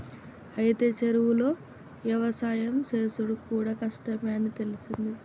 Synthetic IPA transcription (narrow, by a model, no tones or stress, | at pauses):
ɐjit̪e̞ːt͡ʃɐɾuwulo̞ː | ʋjɐʋɐsaːjɐmse̞ːsuɽukuːɽaːkɐʂʈɐmjeːnit̪e̞lisind̪i